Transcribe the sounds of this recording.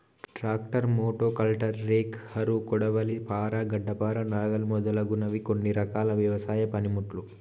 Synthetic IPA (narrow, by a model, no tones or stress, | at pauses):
ʈɾaːk̚ʈɐɾmoːʈoːkɐlʈɐɾːeːkhɐɾukɔɽɐʋɐlipaːɾaɡɐɖːɐpaːɾɐnaːɡɐlumɔd̪ɐlɐɡunɐʋikoɳːiɾɐkaːlɐʋjɐʋɐsaːjɐpɐnimuʈlu